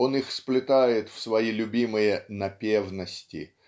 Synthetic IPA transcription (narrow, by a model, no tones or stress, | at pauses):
o̞nixsplʲɪt̪ajɪt̪fsvɐilʲʊbʲimɨjənɐpʲevnəsʲtʲɪ̰